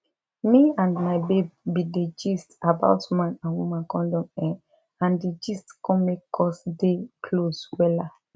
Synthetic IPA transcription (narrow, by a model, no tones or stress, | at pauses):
miãnmaɪbebːided͡ʒistaba̰ʊtmãnãnwumãnkɔ̃ndɔ̃mɛ̃ | ãndid͡ʒistkʰɔ̃mekːɔsdekʰlozwɛla